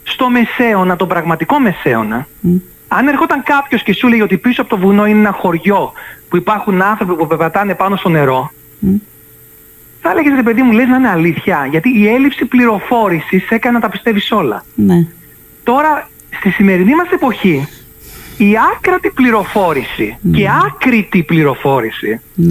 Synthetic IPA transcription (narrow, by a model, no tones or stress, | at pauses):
st̪o̞me̞se̞o̞nɐt̪o̞pɾɐɣmɐt̪iko̞me̞se̞o̞̰nɐ | ɐne̞ɾxo̞t̪ɐŋkɐpço̞sce̞suleʝeo̞t̪ipisoɐpot̪o̞vuno̞ineenɐxo̞ɾʝo̞puipɐɾxunɐnθɾo̞pipuvevɐt̪ɐne̞pɐno̞st̪o̞ne̞ɾo̞ | θɐleʝezɾe̞pe̞ðimuleznɐineɐliθçɐʝɐt̪iːe̞lipsipliɾo̞fo̞ɾisise̞kɐnenɐt̪ɐpi̥st̪e̞viso̞lɐ̰ | t̪o̞ɾɐ | st̪isime̞ɾinimɐse̞po̞çi | iɐkɾɐt̪ipliɾo̞fo̞ɾisiceɐkɾit̪ipliɾo̞fo̞ɾisi